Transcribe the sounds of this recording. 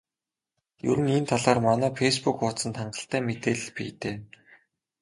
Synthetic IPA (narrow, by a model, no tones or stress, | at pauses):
jɵ̰ɾɘ̆nint̪ʰaɮaːrmanæːpʰespukʊsə̆nt̪ʰaɴɢə̥̆ɬt̪æːmet̪eːɮ̆ɮpḭːt̪eː